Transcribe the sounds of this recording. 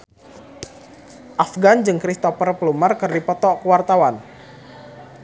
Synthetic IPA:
ʔafɡand͡ʒɨŋkɾist̪ɔpərplumarkɨrdipɔt̪ɔkuwart̪awan

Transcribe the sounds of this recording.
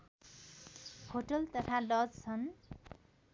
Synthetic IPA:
hoʈʌlt̪ʌt̪ʰalʌd͡zt͡sʰʌn

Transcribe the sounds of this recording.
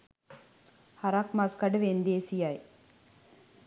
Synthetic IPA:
haɾɐkmaskaɖəʋend̪eːsijaj

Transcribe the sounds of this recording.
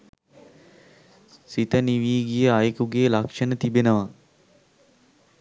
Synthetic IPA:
sit̪əniʋiːɡijəajkuɡeːlakʂənət̪ibenəʋa

